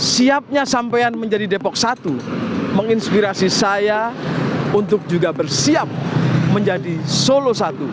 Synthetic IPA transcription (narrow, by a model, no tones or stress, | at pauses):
siap̚ɲasampajanməɲd͡ʒadidepɔk̚sat̪uməŋinspiɾasisaja | unt̪ʊk̚d͡ʒuɡabərsiap̚məɲd͡ʒadisolosat̪u